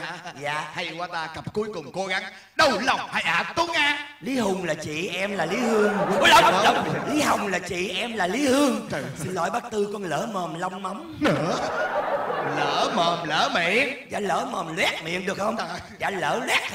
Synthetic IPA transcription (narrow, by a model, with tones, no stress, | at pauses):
za̰ː˧˨ha˧jkwaː˧t̪aː˧kə˨˩p̚ku˨˦əjkʊ˨˩ŋ͡mko˧˦ɣa˨˦ŋ | ɗə˨˩wla˨˩wŋ͡mhaː˧˩jʔaː˨˧˩t̪u˨˦ŋʔaː˧li˨˦ɦʊ˨˩ŋ͡mlaː˨˩t͡ɕḭ˧˨ʔɛ˧mlaː˨˩li˨˦hɨ˧əŋ˧kɔ˨˦ləː˨˧˦lwŋ͡mli˨˦ɦa˨˩wŋ͡mlaː˨˩t͡ɕḭ˧˨ʔɛ˧mlaː˨˩li˨˦hɨ˧əŋsɨ˧nlɔ̰˧˨jɓa˦˥k̚t̪ɨ˧kɔ˧nləː˧˦məː˨˩mla˧wŋ͡mma˨˦wŋ͡m | nə˧˦ | ləː˧˦məː˨˩mləː˧˨˦mḭ˧˨ənza̰ː˨˩ləː˧˦məː˨˩mlwɛ˦˥t̚mḭ˧˨ənɗɨ˨˩ək̚hə˧wŋ͡m | za̰ː˧˩ləː˧˩˦lwɛ˦˥k̚